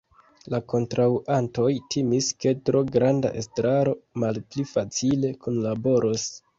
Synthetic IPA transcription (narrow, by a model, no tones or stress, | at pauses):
lako̞ntɾawʔanto̞jtʰimiske̞tɾo̞ɡɾanda̰ʔḛstɾaɾo̞malplifat͡sile̞kʰunlabo̞ɾʔos